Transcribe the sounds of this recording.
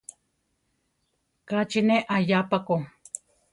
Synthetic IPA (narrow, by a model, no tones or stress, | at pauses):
kat͡ʃineʔajapako